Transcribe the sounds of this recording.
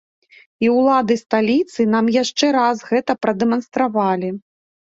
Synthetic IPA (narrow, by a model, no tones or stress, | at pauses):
iwlˠad̪ɨst̪alʲit̪sɨnamjaʂt͡ʂɛɾazɣɛt̪ɐpɾɐd̪ɛmɐnst̪ɾavalʲi